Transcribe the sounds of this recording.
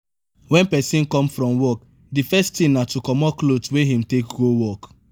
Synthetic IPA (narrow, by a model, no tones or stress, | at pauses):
wɛ̃npɛsĩnkɔ̃mfɹɔ̃mwɔk̚ | difɛstĩnnatukɔmɔklotweɦĩmtekɡowɔk